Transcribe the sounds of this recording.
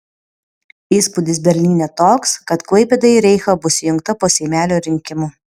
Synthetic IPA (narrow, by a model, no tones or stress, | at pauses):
iːspʊd̪ʲɪs̬bʲɛɾʲlʲiːnʲɛt̪oːkskɐt̪klˠɐɪpʲed̪ɐɪɾʲɛɪxɐbʊsʲɪjʊŋk̚t̪ɐpoːsʲɛɪmʲæːlʲoːɾʲɪŋʲkʲɪmuː